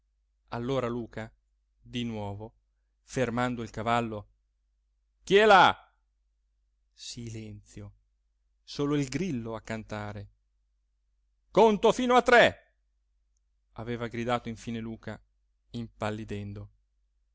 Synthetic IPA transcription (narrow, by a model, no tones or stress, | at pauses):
alːoːɾaluːka | d̪inwɔːvo | fermand̪oilkavalːo | k̟iɛla | silɛnt̪sjo | soːloilɡɾilːoakːant̪aːɾe | kont̪ofiːnoat̪ːɾɛ | aveːvaɡɾid̪aːt̪oiɱfiːneluːka | impalːid̪ɛnd̪o